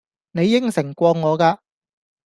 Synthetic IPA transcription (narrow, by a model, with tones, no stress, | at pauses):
ne˨˧jːɪ˥ŋsɪ˨˩ŋkʷɔː˧ŋːɔː˨˧kaː˧